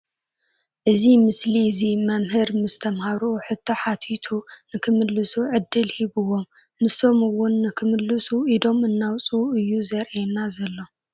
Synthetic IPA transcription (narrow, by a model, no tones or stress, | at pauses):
ʔɨzimɨslizimɐmhɨɾmɨst̪ʰɐmhaɾuħɨt̪ʰːoħat̪ʰit̪ʰunɨkʰɨmɨlːɨsuʕɨd̪ːɨlhiβɨwo̞mː | ɨso̞mɨwːʊnːɨkʰɨmɨlːɨsuid̪o̞mɨnːawt͡sʼuɨjːuzɐɾɛnːazɐlːo̞